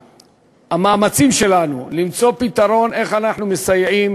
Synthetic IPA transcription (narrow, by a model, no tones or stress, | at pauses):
hamaːmat͡simʃe̞lanulimt͡so̞pit̪aɾo̞ne̞χanaħnumesajeʕim